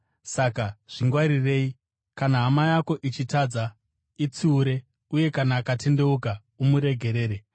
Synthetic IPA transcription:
sakaʐ̥iŋɡwaɾire̞ːi | kanaɦːmajako̞ʔit͡ʃitad͡za | it͡siuɾe̞ | uje̞kanaːkate̞nde̞uka | umuɾe̞ɡʱe̞ɾe̞ːɾe

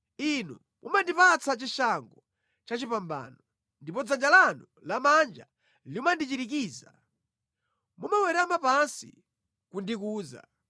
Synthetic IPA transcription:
inṵ | mumandipat͡sat͡ʃiʃaŋɡɔ | t͡ʃat͡ʃipamba̰ːnɔ | ndipɔd͡zand͡ʒalanulamand͡ʒa | liumandit͡ʃiɾik̬iːza | mumawɛɾamapansḭ | kundikuːza̰

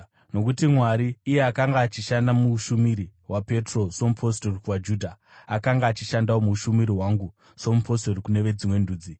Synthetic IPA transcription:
no̞k̬utimwaɾiːje̞akaŋɡaːt͡ʃiʃandamuuʃumiɾiwape̞tro̞so̞mupʰo̞storikwad͡ʒuːdʱaː | kaŋɡaːt͡ʃiʃandawomuuʃumiɾiwaŋɡu | so̞mupʰo̞storikune̞ʋe̞d͡zimwe̞nduːd͡zi

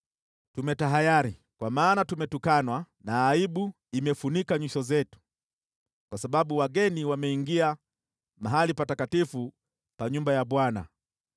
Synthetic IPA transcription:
tumɛtaɦajaɾi | kwamaːnatumɛtukanwa | naːiɓu | imɛfunikaɲwiʃɔzɛtu̥ | kwasaɓaɓuwaɡɛniwamɛiŋɡia | maɦalipatakatifu | paɲumbajaɓwana̰

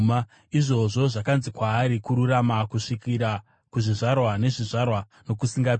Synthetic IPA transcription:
ma | iʐo̞ʐo̞ʐakanzikwaːɾikuɾuramakuʂikiɾa | kuʐiʐarwane̞ʐiʐarwa | no̞kusiŋɡa

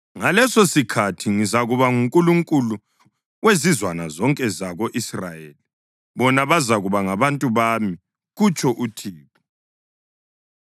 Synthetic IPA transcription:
ŋalɛsosikʰatʰiŋizaɣuβaŋuŋkʼuluŋkʼulu | wezizwanazɔŋkʼɛzaɣoʔisra̰jeːli | βɔnaβazaɣuβaŋaβantʼuβami | ɣut͡ʃʰʼɔʔutʰiːpʰu̥

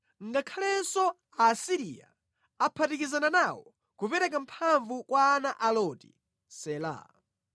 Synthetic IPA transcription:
ŋɡakʰalɛnsɔ | asiɾija̰ | apʰatikizananawɔ | kupɛɾɛk̬am̩pʰaɱvukwaːnaʔalɔti̥̰ | sɛla̰

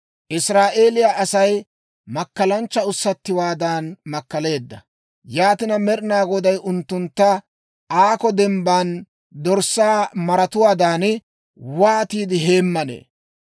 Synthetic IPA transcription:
ʔɪsɾaːʔe̞ːlɪjaʔɐsɐj | mɐkːɐlɐnt͡ʃːɐʊsːɐt̪ːɪwaːd̪aːnmɐkːɐle̞ːd̪ːɐ | jaːt̪ɪnɐmɛɾnaːɡɔd̪ɐjʔʊnt̪ːʊnt̪ːɐ | ʔaːkɔd̪ɛmbaːn | d̪ɔɾsaːmɐɾɐt̪ʊwaːd̪aːnɪ | waːt̪iːd̪ɪɦe̞ːmːɐnḛː

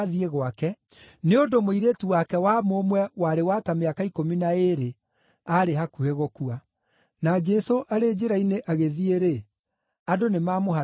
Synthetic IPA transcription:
ðieɣwakɛ | neondomoiɾetuwakɛwamomwɛwaɾewatameakaikominaeɾe | aɾeɦakuheɣokua | nad͡ʒɛsoʔaɾed͡ʒeɾaineʔaɣeðieɾe | adonemaːmoɦa

